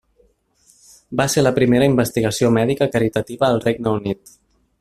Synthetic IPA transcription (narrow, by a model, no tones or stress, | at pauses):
baseɾləpɾimeɾəimbəst̪iɣ̞əsiomɛðikəkəɾit̪ət̪iβəːlˠreɡ̚nəunit̪